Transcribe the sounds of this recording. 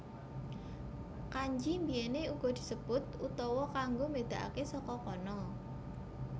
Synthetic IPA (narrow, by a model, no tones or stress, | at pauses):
kaɲd͡ʒimbijɛneuɡ̥ɔ̤d̪̥i̤̥səb̥ʊt̪̚ut̪ɔwɔkaŋɡomed̪̥ä̤ʔa̰kesɔkɔkɔnɔ